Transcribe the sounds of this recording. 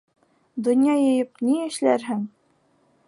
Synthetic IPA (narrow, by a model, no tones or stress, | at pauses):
d̪ŏnjɑjɤ̆jɤp̚niɘ̆ʃlæɾɦɘŋ